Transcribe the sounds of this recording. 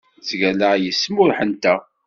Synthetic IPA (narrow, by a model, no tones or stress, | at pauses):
zʝæləjəsːmʊɾħənt̪æ